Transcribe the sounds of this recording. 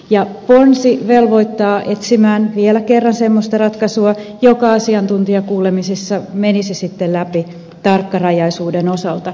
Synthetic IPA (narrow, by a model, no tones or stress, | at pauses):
jɑponsiʋelʋo̞it̪ːɑːʔet̪simæːnʋielækerːɑnsemːost̪ɑrɑt̪kɑsuɑjokɑɑsiɑnt̪unt̪iɑkuːlemisisːɑmenisisit̪ːellæpi | t̪ɑrkːɑrɑjɑisuːdeno̞sɑlt̪ɑ